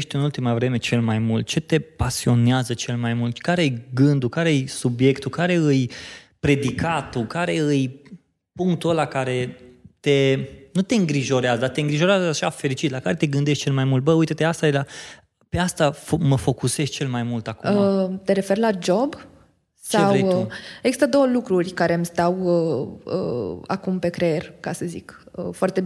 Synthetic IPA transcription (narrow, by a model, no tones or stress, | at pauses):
ʃt̪ʲɨnult̪imavɾe̞me̞t͡ʃe̞lmajmult̪̚t͡ʃe̞t̪e̞pasio̞neazət͡ʃe̞lmajmult̪kaɾeɨjɡɨnd̪ukaɾeɨjsubje̞kt̪ukaɾe̞ɨjpɾe̞d̪ikat̪ukaɾe̞ɨj | puŋk̚t̪uəlakaɾe̞t̪e̞nut̪e̞ɨŋɡɾiʒo̞ɾeazəd̪at̪e̞ɨŋɡɾiʒo̞ɾeazəaʃafe̞ɾit͡ʃit̪lakaɾe̞t̪e̞ɡɨnd̪e̞ʃt̪̚t͡ʃe̞lmajmult̪̚bəujt̪et̪east̪aela | pe̞ast̪afoməfo̞kuseʃt͡ʃe̞lmajmult̪akumt̪e̞ɾe̞fe̞rlad͡ʒo̞b | seaweeɡz̥ist̪əd̪o̞wəlukɾurʲkaɾe̞ɨmst̪awəə̰a̰kumpe̞kɾeerkasəzikəfoart̪e